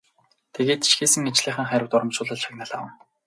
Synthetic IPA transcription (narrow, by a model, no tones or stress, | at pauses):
t̪ʰeɣeːt̪i̥ʃxeːsɘ̆ŋet͡ɕɮiːχə̆ŋχæɾʲɪ̆wt̪ʊɾɞ̆mt͡ɕʊːɮə̆ɮʃʰaɣnăɮaːwə̆ŋ